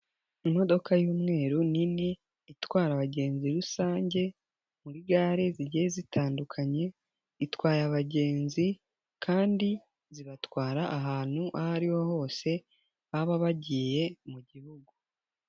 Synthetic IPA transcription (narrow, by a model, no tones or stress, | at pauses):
imo̞do̞kʰajuːmŋe̞ːɾunini | itwaːɾaβaɟe̞ːnziɾusaːɲɟe̞ | muɾiɡaːɾiziɟijezitʰaːndukʰaɲe̞ | itwaːɾaβaɟe̞ːnzi | kʰaːndi | ziβatwaːɾaʔaɦaːn̥huʔahaɾiwoho̞ːse̞ | βaβaβaɟiːje̞muɟihuɡu